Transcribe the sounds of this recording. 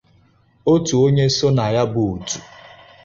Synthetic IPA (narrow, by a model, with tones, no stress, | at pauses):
o˦tu˨o˦ɲe˦so˦na˨ja˦bʊ˨u˨tu̥˨